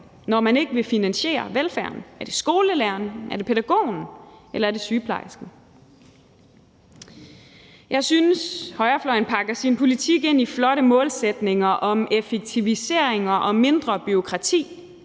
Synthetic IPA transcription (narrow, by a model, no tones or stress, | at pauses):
nɒmæne̝ɡ̥əʋe̝finænɕe̝̰ːɐ̰ʋelfæɐnæɐd̥e̝sɡ̥o̝ːləlæɐnʔæɐd̥e̝pʰed̥æɡ̥o̝̰ːn̩elɐæɐd̥e̝syːpʰlɑ̈ɪsɡ̥ə | jɑ̈ɪsynəshɒ̽ɪɐflɒ̽ɪn̩pʰɑ̈ɡ̥ɐsinpʰo̝lit͡sʰiɡ̥e̝n̰iflɒ̽ɾəmɔ̽ːlsed̥ne̝ŋɐʔɒ̽mefeɡ̥̚t͡sʰiʋise̝ɐ̰eŋɐʔɒ̽me̝nd̥ʁɐb̥yo̝kʰʁɑ̈t͡sʰḭː